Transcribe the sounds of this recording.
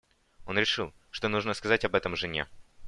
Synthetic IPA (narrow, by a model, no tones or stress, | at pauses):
o̞nɾʲɪʂɨlˠ | ʂt̪onuʐnəskɐzatʲɐbɛt̪əmʐɨnʲḛ